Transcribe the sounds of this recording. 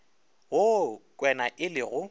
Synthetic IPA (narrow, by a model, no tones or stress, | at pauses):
ɣokʼwɛnaʔɪlɪɣʊ